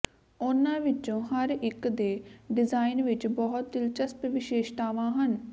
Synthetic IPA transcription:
ʊnãːʋɪt͡ʃõːɦəɾɪkd̪eːɖɪzaːinʋɪt͡ʃbɔɦʊt̪̚d̪ɪlt͡ʃəspʋɪʃeːʃt̪aːʋãːɦən

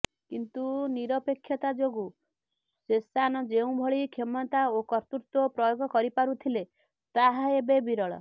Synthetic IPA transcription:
kint̪uniɾɔpekʰːjɔt̪ad͡ʒoɡu | sesanɔd͡ʒeũbʱɔɭikʰemɔt̪aokɔɾt̪uɾt̪ɔpɾɔjoɡʱɔkɔɾipaɾut̪ʰile | t̪aɦaebebiɾɔɭɔ̰

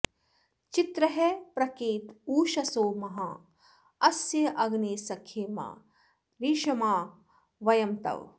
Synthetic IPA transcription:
t͡ʃit̪ɾɐɦepɾɐkeːt̪uːʃɐsoːmɐɦɐ | ɐsjɐʔɐɡneːsɐkʰːeːma̰ː | ɾiːʃɐmaː | ʋɐjɐmt̪ɐ̰ʋ

